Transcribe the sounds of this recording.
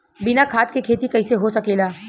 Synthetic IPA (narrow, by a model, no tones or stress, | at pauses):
bɪnakʰaːt̪̚kekʰeːt̪ikɐɪseɦosɐkeːlaː